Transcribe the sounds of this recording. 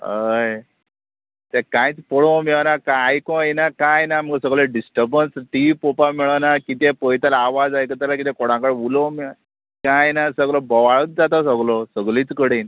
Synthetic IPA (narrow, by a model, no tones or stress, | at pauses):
ɦəj | t̪ɛkãjt͡spɔɭɔmeɭnakaajkɔ̃jnakãjnam̤əɡsəɡlɔɖisʈəɾbənsʈipopamiɭənakit̪ɛpɔjt̪alaʋad͡zajkət̪̬əlak̬it̪ɛ̃koɽ̤ãkəɽulɔmiɭ | kãjnasəɡlɔbəʋaɭət̪̚d͡zat̪asəɡlɔsəɡliːt͡skəɽin